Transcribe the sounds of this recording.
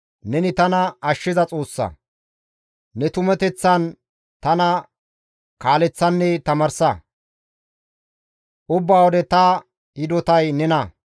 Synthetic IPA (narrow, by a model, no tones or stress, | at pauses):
nɛnɪt̪ɐnɐɐʃːɪzɐt͡sʼo̞ːsːɐ̰ | nɛt̪ʊmɛt̪ɛt͡sːɐn | t̪ɐnɐ | kaːlɛt͡sːɐnːɛt̪ɐmɐɾsɐ | ʔʊbːaːwɔd̪ɛt̪ɐ | ɪd̪ɔt̪ɐjnɛnɐ